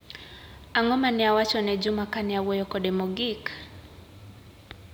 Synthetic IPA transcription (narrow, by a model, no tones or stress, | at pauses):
aŋɔmaniawat͡ʃɔnɛd͡ʒumakaniawɔjɔkɔɗɛmɔɡik